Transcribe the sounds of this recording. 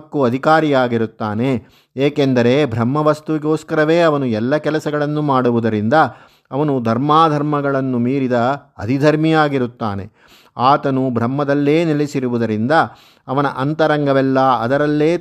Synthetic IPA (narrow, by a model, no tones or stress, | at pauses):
kːuɐd̪ʱikaːɾijaːɡiɾut̪ːaːne̞ | eːkend̪ɐɾe̞bʱɾɐmːɐʋɐst̪uʋiɡo̞ːskɐɾɐʋe̞ːɐʋɐnuɛlːɐkɛlɐsɐɡɐɭɐnːumaːɽuʋud̪ɐɾind̪ɐ | ɐʋɐnud̪ʱɐɾmaːd̪ʱɐɾmɐɡɐɭɐnːumiːɾid̪ɐɐd̪ʱid̪ʱɐɾmijaːɡiɾut̪ːa̰ːne̞̰ | aːt̪ɐnubʱɾɐmːɐd̪ɐlːe̞ːnilisiɾuʋud̪ɐɾind̪ɐ | ɐʋɐnɐʔɐnt̪ɐɾɐŋɡɐʋɛlːɐɐ̰d̪ɐɾɐlːeː